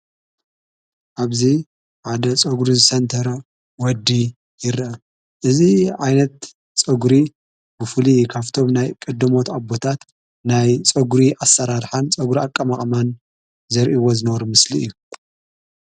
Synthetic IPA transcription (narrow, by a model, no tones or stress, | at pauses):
ʔaβzi | ʕad̪ɐt͡sʼɐɡɾizɨsɐnt̪ʰɐɾɐ | wɔd̪ːi | jɪɾɐ | ʔɨziʕajnɐt̪ | t͡sʼɐɡɾi | bɨfɨlikʰaft̪ʰo̞mnajkʼɐd̪ːɐmo̞t̪abo̞t̪ʰat̪ | najt͡sʼɐɡɾiʔasːɐɾaɾħant͡sʼɐɡuɾiakʼːɐmaχʼman | zɐɾʔiwozɨnɐβɾumɨsliɨjːu